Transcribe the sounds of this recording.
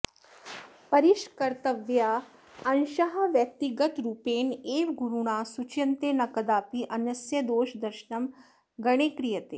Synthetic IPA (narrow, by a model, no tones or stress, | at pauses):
pɐɾiʃkɐɾt̪ɐʋjaː | ɐnʃɐɦɐʋjɐk̚t̪iɡət̪ɾuːpeːneːʋɡuɾuɽ̃aːsut͡ʃjɐnt̪eːnɐkɐd̪aːpiʔɐnjɐsjɐd̪oːʃd̪ɐɾʃɳɐm | ɡɐɽ̃eːkɾijɐt̪eː